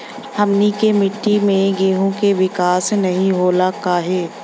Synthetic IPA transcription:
hɐmnikemɪʈːimẽɡeːɦõkeʋɪkaːsnɐɦĩɦoːlakaːɦeː

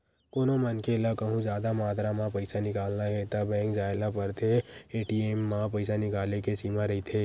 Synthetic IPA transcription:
koːnomənkelakəɦũd͡ʒjaːd̪amaːt̪ɾamãpɐɪsanɪkaːlnaɦɛt̪abɛ̃ːŋkd͡ʒaːɪlapɐɾt̪ʰeeːʈiemːãpəɪsanɪkaːlekesiːmãɾɐɦit̪ʰeː

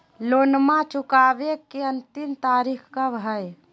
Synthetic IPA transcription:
loːnmãt͡ʃʊkaːbekeənt̪imt̪aːɾikʰkabɦəj

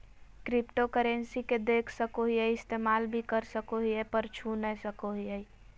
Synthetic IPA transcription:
kɾipʈokəɾensiked̪ekʰsəkoɦiəiɪst̪emalbʱikəɾsəkoɦiɛpəɾt͡ʃʰunəsəkoɦiəj

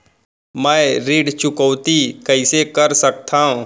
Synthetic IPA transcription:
mɛ̃ːɾiːɖt͡ʃʊkɔwt̪ikɐɪsekɐɾsɐk̚t̪aːɦũ

